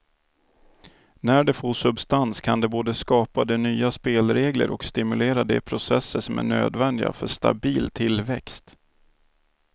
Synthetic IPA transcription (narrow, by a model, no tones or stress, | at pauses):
næɖɛfoːʂɵbst̪anskʰand̪ɛboːd̪əskɑːpad̪ɛnyːaspeːlɾeːɡlə̰ɾʔɔkst̪ɪmɵleːɾad̪ɛ̰pʰɾʊsɛsːəʂɔmæ̰ɳø̰ːd̪vɛnd̪ɪɡa̰fœʂt̪a̰biːlt̪ʰɪlvɛkst̪